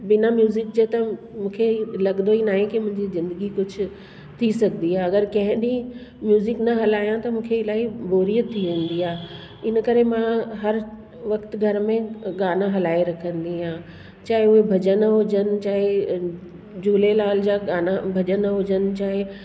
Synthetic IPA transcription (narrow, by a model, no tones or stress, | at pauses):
bɪnamjuːzɪk̚d͡ʑeːt̪ɐ | mũːkʰelɐɠd̪oinaːɦẽkimʊ̃ɦɪ̃ɲd͡ʑizɪ̃nd̪əɡikʊd͡ʑʱʊ̆ | t̪ʰisɐɡnd̪iɦaːɐɡəɾkɐ̃ɦɪ̃ɗĩ | mjuːzɪknɐɦɐlaːjãt̪ɐmũːkʰeɪlaːiboːɾiːət̪ʰːiʋẽːn̆d̪iɦaː | ɪnkɐɾemãɦɐɾ | ʋɐkt̪ɡʱɐɾmẽɠaːnaɦɐlaːiɾɐkʰə̃nd̪iɦãː | t͡ɕaːɦɪʊɦebʱɐd͡ʑənɦʊd͡ʑənɪ̆t͡ɕaːɦe | d͡ʑuːlelaːld͡ʑaɠaːnabʱɐd͡ʑənɦʊd͡ʑənɪ̆t͡ɕaːɦɪ